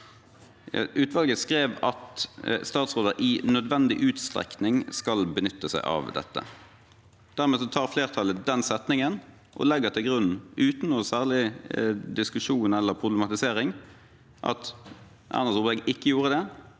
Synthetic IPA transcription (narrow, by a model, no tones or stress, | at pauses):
ʔʉːt̪ʋɑlɡəskɾeːʋɑt̪st̪ɑːt̪sʁoːd̪əʔɪnœd̪ʋɛnd̪ɪʔʉːt̪st̪ʁɛ̰knɪŋskɑlbənʏt̪ːəsæɪʔɑ̰ʋd̪ɛ̰t̪ːə̰ | d̪̥æʁmeːsɔt̪ʰɑːʁfleːʁt̪ʰɑləd̪ɛnsɛt̪nɪŋən | ʔɔ̰lɛɡːət̪ʰɪlɡɾʁʉnʉːt̪n̩ɔsæːʁlɪd̪ɪskʉʂuːnɛlːəʁpʰʁʊblɛmɑt̪ɪseːʁɪŋ | ʔɑ̰t̪ | ʔɑ̰ʁnəʁsʊbɛɡʔɪkːəjuːʁəd̪ɛ